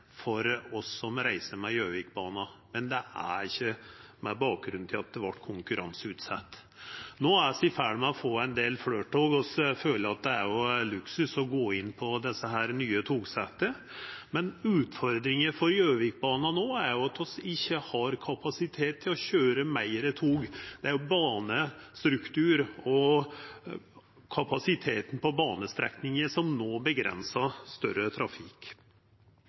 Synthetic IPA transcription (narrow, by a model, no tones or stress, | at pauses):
fɔɾɔsːɔmɾæɪsəmɛjøːʋɪk̚bɑːnɑmɛnd̪ɛæ̰ɾɪçːəmɛbɑːk̚ɡɾʉnt̪ʰɪlɑt̪̚d̪ɛʋɑʈːkʰʊŋkʉɾʔɑnsʉːt̪sɑt̪ː | noːæsɪfæɽmɛɔfoːæɪnd̪eːlfløːʈoːɡɔsføːləɑt̪̚d̪ɛæɾjʊlʉksʉsɔɡoːɪnːpʰɔd̪ɛsːəɦæːɾnyːət̪ʰuːɡsɛt̪ːəmɛnʉːt̪fɔɾd̪ɾɪŋəfɔɾjøːʋɪk̚bɑːnɑnoːæɾjʊɑt̪ʰɔsɪçːəhɑɾkʰɑpɑsɪt̪ʰeːt̪ʰːɪlɔɕøːɾəmæɪɾət̪ʰuːɡd̪̥ɛæɾjʊbɑːnəst̪ɾʉkt̪ʰʉːɾɔ | kʰɑpɑsɪt̪ʰeːt̪n̩pɔbɑːnəst̪ɾɛ̰knɪŋəʂɔmnoːbəɡɾɛ̰nsɑst̪œɾət̪ʰɾɑfɪk